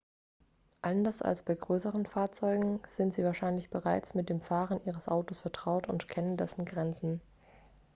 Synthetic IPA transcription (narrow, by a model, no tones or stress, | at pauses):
ʔandɐsa̰lsb̥aɪɡʁøːsəʁənfaːɐt͡sɔʏɡŋ̩z̥ɪntz̥iːvaːɐʃaɪnlɪçb̥əʁaɪt͡smɪt̚d̥eːmfaːʁənʔiːʁ̞əsʔa̰ʊtosfɛɐtʁ̥aʊtʊntkʰɛnəndɛsn̩ɡʁɛnt͡sn̩